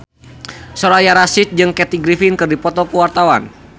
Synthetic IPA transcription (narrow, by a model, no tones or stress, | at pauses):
sɔɾajaɾasɪt̪̚d͡ʒɨŋkɛt̪iɡɾifinkɨrdipɔt̪ɔkuwart̪awan